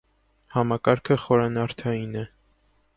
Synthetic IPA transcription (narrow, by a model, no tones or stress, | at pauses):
hɑmɑkɑɾkʰəχɔɾɑnɑɾt̪ʰɑjinɛ